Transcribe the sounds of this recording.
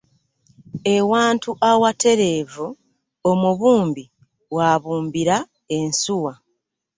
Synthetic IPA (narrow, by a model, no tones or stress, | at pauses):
e̞waːntuʔawate̞ɾe̞ːvu | o̞muβuːmbi | waβuːmbiɾa | ensuwa